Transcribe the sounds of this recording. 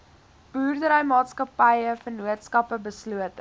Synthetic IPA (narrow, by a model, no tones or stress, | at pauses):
b̥uːrdəɾəjmɑːtskɐpɛjəfərnuətskɐpəbəsluət